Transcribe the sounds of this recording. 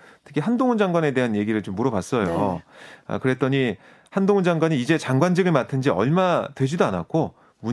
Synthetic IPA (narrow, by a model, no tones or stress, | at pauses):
tʰɯ̥kʰiɦandoŋɯnd͡ʑaŋɡwane̞de̞ɦanje̞ɡiɾɯɭt͡ɕomːuɾʌbas͈ʌjo | a̰kɯɾe̞t͈ʌɲi | handoŋɯnd͡ʑaŋɡwaɲiːd͡ʑe̞t͡ɕaŋɡwand͡ʑɯɡɯɭmatʰɯnd͡ʑiʌ̰ɭmatwe̞d͡ʑidoana̰k̚k͈o | mu